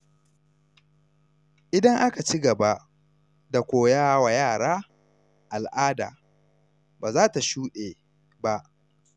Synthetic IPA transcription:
ʔɪ˦dɐ˦ŋʔa˦ka˨t͡ʃi˦ɡɐ˨ba˦ʔ | da˨kʷoː˨jaː˦wa˨jaː˦˨ɽaː˦ | ʔa˨lʔaː˦da̰ː˨ | baː˨zaː˦ta˨ʃuː˦ɗeː˨ | ba˦ʔ

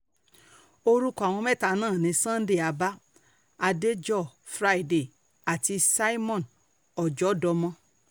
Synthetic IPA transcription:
o˧ɾu˦kɔ˦˧a˨w̃ɔ̃˧mɛ˦˨ta˧nãː˦˨nĩ˧sã˦n̩˦de˦˨a˧ba˦ | a˧de˦d͡ʒɔ˦˨fɾa˦i˦de˨ | a˨ti˧sa˦i˦mɔ̃˦˨n | ɔ˨d͡ʒɔ˨˦dɔ˧mɔ̃˧

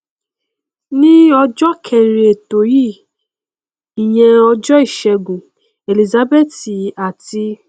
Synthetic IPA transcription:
nĩ˦ɔ˧d͡ʒɔ˦kʰɛ̃˨ɾe˨e˨to˨ji˦˨ | i˨j̃ɛ̃˧ɔ˧d͡ʒɔ˦i˦˨ʃɛ˧ɡũ˨ | e˨li˨za˨˦be˦˨ti˨a˨ti˧

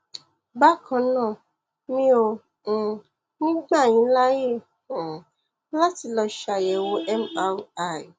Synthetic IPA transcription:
ba˦kʰã˧˦nã˦˨ | mĩ˦õ˧˨ | nĩ˦ɡ͡ba˦˨j̃ĩ˨˦la˦je˦˨ | la˦ti˨˧lɔ˧ʃa˨jɛ˨wo˧˦ʔɛ˦ma˦wa˦˨

